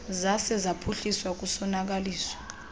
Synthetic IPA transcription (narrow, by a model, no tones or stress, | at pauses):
zasɛzapʰuɬiswak̬usɔnak̬aliːswɔ̥